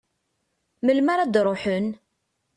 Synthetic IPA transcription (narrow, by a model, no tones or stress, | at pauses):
məlmaɾad̪ɾˤoħən